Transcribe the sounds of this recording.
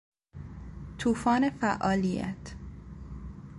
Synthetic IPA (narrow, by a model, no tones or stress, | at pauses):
t̪ʰuːfɒːnefæʔɒːlijæ̰t̪ʰ